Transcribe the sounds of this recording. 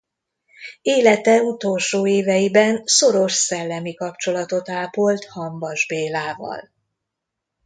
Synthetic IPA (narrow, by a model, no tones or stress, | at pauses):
eːlɛt̪ɛut̪o̞lʃoːeːvɛjibɛnso̞ɾo̞ʃsɛlːɛmikɒpt͡ʃo̞lɒt̪o̞t̪aːpo̞lt̪hɒmbɒʒbeːlaːvɒ̰l